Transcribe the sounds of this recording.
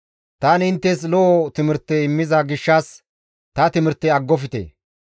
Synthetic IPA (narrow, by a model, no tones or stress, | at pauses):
t̪aːnɪnt̪ːɛs̬lɔːt̪ɪmɪɾt̪ːɛɪmːɪzɐɡɪʃːas | t̪ɐt̪ɪmɪɾt̪ːɛɐɡːɔfɪt̪ḛː